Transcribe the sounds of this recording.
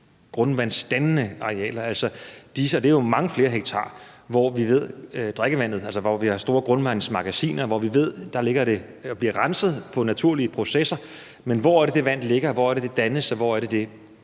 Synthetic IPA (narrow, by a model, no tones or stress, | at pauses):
ɡ̥ʁɔ̽nʋæn̰sd̥ænnəɑ̈ʁeɛ̰ːlɐæl̰sɒ̽d̥isəɒ̽d̥e̝æjo̝mɑ̈ŋəfle̝ːɐɦeɡ̥̚t͡sʰɑ̰̈ː | ʋɒʋiʋe̝ð̞̰ˠd̥ʁaɡ̥əʋæn̰ð̞̩ˠælsɒʋɒʋihɑ̈sd̥o̝ːɐɡ̥ʁɔ̽nʋæn̰smɑ̈ɡ̥æsḭːnɐʋɒʋiʋe̝ð̞̰ˠd̥ɑ̈le̝ɡ̥ɐɾ̥e̝ | ɒb̥liɐ̰ʁɑnsəð̩ˠpʰɒ̽næt͡sʰuɐ̰liəpʰʁo̝sesɐ | menʋɒæɐɾ̥e̝d̥e̝ʋæn̰d̥le̝ɡ̥ɐʋɒ̰ːæɐɾ̥e̝d̥e̝d̥ænəsɒ̽ʋɒæɐɾ̥e̝d̥e̝